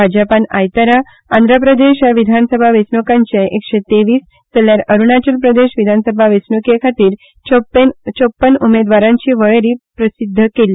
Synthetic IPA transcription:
bʱad͡ʑapana̰jt̪aɾa | and̪ɾapɾəd̪eɕjaʋid̪ʱansəbʱaʋesnokaɲt͡ɕeʔekɕet̪eʋiːs | t̪eljaɾəɾunat͡ɕəlpɾəd̪eɕʋid̪ʱansəbʱaʋesnokekʰat̪iːɾ | nt͡ɕopːənumed̪ʋaɾãɲt͡ɕiːʋəɭeɾiːpɾəsid̪ʱːəkeli

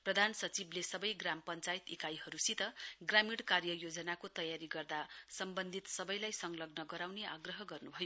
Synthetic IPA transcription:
prʌd̪ʱansʌt͡siblesʌbʌjɡrampʌnt͡sajt̪ekajɦʌɾusit̪ʌɡramiɽkarjʌjod͡zʌnakot̪ʌjaɾiɡʌrd̪asʌmbʌnd̪ʱit̪sʌbʌjlajsʌŋlʌɡnʌɡʌɾawnea̰ɡrʌɦʌɡʌrnubʱʌjo

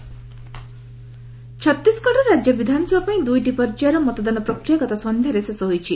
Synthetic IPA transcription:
t͡ʃʰɔt̪ːiskɔʈɔɾad͡ʒjɔbid̪ʱanɔsɔbapaĩd̪ujʈipɔɾd͡ʒjaɾɔmɔt̪ɔd̪anɔpɾɔkɾijakɔt̪ɔsɔnd̪ʱjaɾesesɔɦojt͡ʃʰi

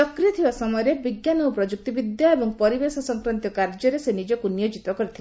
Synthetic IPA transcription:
ɔkɾiɔt̪ʰibasɔmɔjɔɾebiɡjanɔpɾɔd͡ʒuk̚t̪ibid̪jaebɔŋpɔɾibesɔsɔŋkɾɔnt̪jɔkaɾd͡ʒɔɾesenid͡ʒɔkunijɔd͡ʒit̪ɔkɔɾit̪ʰile

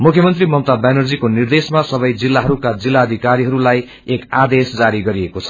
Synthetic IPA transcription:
mukʰjʌmʌnt̪rimʌmt̪abanʌrd͡zikonird̪esmasʌbʌjd͡zilːaɦʌɾukad͡zilːaːd̪ʱikaɾiɦʌɾulaj | ekad̪esd͡zaɾiɡʌɾiekot͡sʰʌ

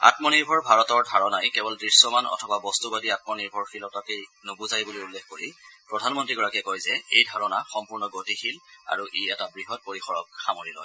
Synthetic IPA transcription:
a̰tmɔniɹbʱɔɹbʱaɹɔtɔɹdʱaɹɔnajkɛbɔldɹisːɔmanɔ̰tʰɔbabɔstubadiat̚mɔniɹbʱɔɹxilɔtakenobuzajbulijulːexkoɹipɹɔdʱanmɔntɹiɡɔɹakɛkojzɛejdʱaɹɔnaxɔmpuɹnɔɡotixila̰ɹuʔiɛtabɹiɦɔt̚poɹixɔɹɔk̚xamoɹilɔ̰j

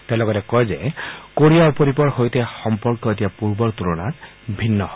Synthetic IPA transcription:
tɛ̃lɔɡɔtɛkɔjzɛkoɹijaupoɾipɔɹhojtɛxɔmpɔɹkɔetijapuɹbɔɹt̪uɹɔnat | bʱinːɔhɔ

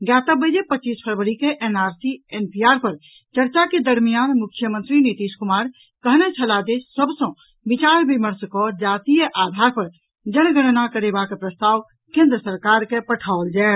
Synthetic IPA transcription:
ɡjaːt̪əbːəd͡ʒepətːt͡ʃːiːspʰəɾʋəɾikeʔenaːɾsienpʰiaːɾpəɾ | t͡ʃəɾt͡ʃaked̪əɾmijaːnmʊkʰjəmə̃nt̪ɾinit̪iːʃkʊmaːɾ | kəɦnɛt͡ʃʰəlad͡ʒesəbsɔ̃ | bɪt͡ʃaːɾbiməɾskɔd͡ʒaːt̪ijəʔaːd̪ʱaɾpəɾ | d͡ʒəñɡəɽ̃nakəɾebakepɾəst̪aːw | kẽːnd̪ɾəsəɾkaːɾkepəʈʰaold͡ʒaː

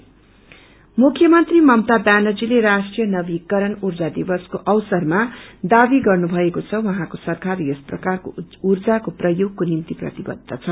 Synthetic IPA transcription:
mukʰːjʌmʌnt̪rimʌmt̪abjanʌd͡zileɾasʈrijʌnʌbikʌɾʌnurd͡zad̪ibʌskoʔʌwsʌrmad̪abiɡʌrnubʱʌekot͡sʰʌwʌɦãkosʌrkarjʌsprʌkarko̰urd͡zakoprʌjoɡ̚konimt̪iprʌ̰t̪ibʌ̰d̪ʱːʌt͡sʰʌ

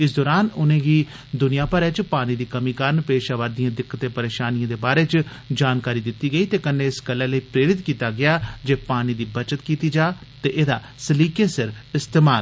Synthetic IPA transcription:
ɪsd̪ɔːɾaːnʊnẽːɡiː | d̪ʊnɪjãːpəɾɛːt͡ʃpaːñĩːd̪iːkəmiːkəɾnpeːʃaːʋəɾd̪ɪjãːd̪ɪkːət̪eːpəɾeːʃaːnɪjãːd̪eːbaːɾeːt͡ʃ | d͡ʒaːnkaːɾiːd̪ɪt̪ːiːɡəiːt̪eːkənẽːɪsɡəlːɛːləiːpɾeːɾɪt̪kiːt̪aːɡɪaːd͡ʒeːpaːniːd̪iːbət͡ʃət̪kiːt̪iːd͡ʒaːt̪eːʔeːd̪aː | səliːkeːsɪɾɪst̪eːmaːl

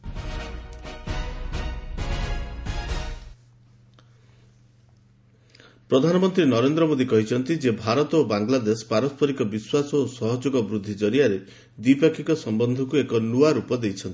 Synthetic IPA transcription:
pɾɔd̪ʱanɔmɔnt̪ɾinɔɾend̪ɾɔmod̪ikɔɦit͡ʃʰɔnt̪id͡ʒebʱaɾɔt̪ɔobaŋlad̪espaɾɔspʰɔɾikɔbiswasɔosɔɦɔd͡ʒoɡɔbɾud̪ʱːid͡ʒɔɾiaɾe | d̪wipakʰikɔsɔmbɔnd̪ʱɔkuekɔnuaɾupɔd̪ejt͡ʃʰɔnt̪i̥

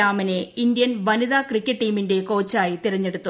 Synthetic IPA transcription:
aːmɐneind̪jɐnʋɐniðaːkrikʲːɐʈːiːminde̞ko̞ːt͡ɕːaːjit̪iɾɐɲːe̞ɽut̪ːu

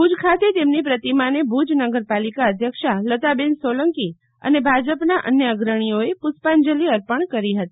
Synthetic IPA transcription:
bud͡ʒkʰat̪et̪emnipɾət̪imanebʱud͡ʒnəɡəɾpalikaəd̪ʱjəkʃalət̪abensoləŋki | ə̰nebʱad͡ʒəpnaʔə̰njəəɡɾəɽ̃ijoepʊspand͡ʒəliəɾpəɳkəɾiɦət̪i

